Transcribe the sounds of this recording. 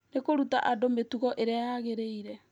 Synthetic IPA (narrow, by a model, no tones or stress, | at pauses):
nekoɾutaʔadometuɣɔʔeɾeajaɣeɾeiɾɛ